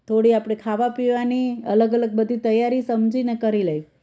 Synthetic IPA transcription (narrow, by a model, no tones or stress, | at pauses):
t̪ʰoɽiapɽ̃ekʰaʋapiʋaniə̰ləɡələɡ̚bəd̪ʱit̪əjːaɾisəmd͡ʒinekəɾilej